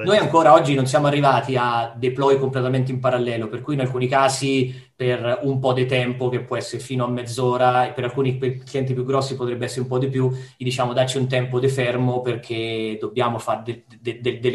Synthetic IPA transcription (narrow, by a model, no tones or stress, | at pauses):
nojaŋkoːɾaɔd͡ʒːinonsjaːmoarːivaːt̪iad̪eplɔjkomplet̪ament̪̬eimpaɾalːɛːloperkujinalkuːnikaːsi | perumpɔd̪et̪ɛmpok̟epːwɔɛsːeɾefiːnoamːɛd̪zːoːɾaepːeɾalkuːnipekliɛnt̪̬ipjuɡːɾɔsːipot̪ɾɛbːeɛsːeɾeumpɔd̪ipjuid̪it͡ʃaːmod̪art͡ʃiunt̪ɛmpod̪efɛrmoperkʰed̪obːjaːmofaɾd̪e | d̪ed̪ed̪e